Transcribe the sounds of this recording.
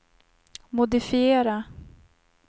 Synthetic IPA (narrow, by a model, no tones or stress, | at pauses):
mʊd̪ɪfɪeːɾa